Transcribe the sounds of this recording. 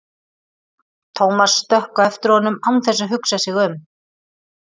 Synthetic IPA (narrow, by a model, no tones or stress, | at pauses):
t̪ʰowmasːt̪œhkaɛft̪ɪɾhɔnʏmawnθɛs̬ːaɦʏksasɪɣʏm